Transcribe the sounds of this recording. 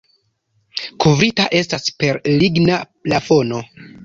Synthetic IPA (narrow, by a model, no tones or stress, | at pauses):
kuvɾitaʔe̞staspe̞ɾliɡnaplafo̞no̞